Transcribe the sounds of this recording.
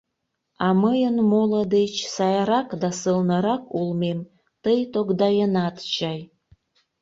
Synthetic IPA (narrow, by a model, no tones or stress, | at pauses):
ɑməjənmoləd̪et͡ɕsɑjɑɾɑkd̪ɑsəlnəɾɑkulmem | t̪əjt̪oɡd̪ɑjənɑt̪t͡ɕɑj